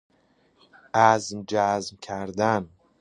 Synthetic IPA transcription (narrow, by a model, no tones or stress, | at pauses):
ʔæzmd͡ʒæzmkʰæɾd̪æn